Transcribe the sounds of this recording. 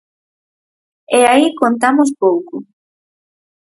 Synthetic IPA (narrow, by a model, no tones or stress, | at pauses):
ɛaikont̪amʊs̬powkʊ